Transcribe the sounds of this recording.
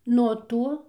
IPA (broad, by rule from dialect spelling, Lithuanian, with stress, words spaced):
nuɔ ˈtoː